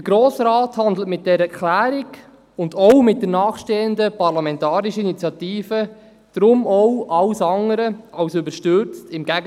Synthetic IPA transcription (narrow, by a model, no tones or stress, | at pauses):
dəɡɾoːsɾaːthɑnd̪l̩ətmɪt̚d̥ɛɾəɛklæːɾiɡ | ʊndɔwmɪt̚d̥ənɑːχʃteːəndəpɑɾlɑmɛntɑːɾiʃəinit͡sjɑt̪iːfə | d̥ɾʊmɔwʔɑwsɑŋəɾəɑwsʏbəɾʃtʏɾt͡stɪmɡæɡə